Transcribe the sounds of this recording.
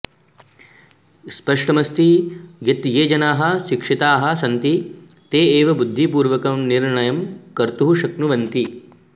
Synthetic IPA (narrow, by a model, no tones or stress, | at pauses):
spɐʂʈɐmɐst̪iɡɐt̪jeːd͡ʒɐnaːɦɐ̆ʃikʂit̪aːɦɐ̆sɐnt̪i | t̪eːeːʋɐbud̪ʱːipuːɾʋɐkɐmniɾɳɐjɐmkɐɾt̪uɦuʃɐknuʋɐnt̪i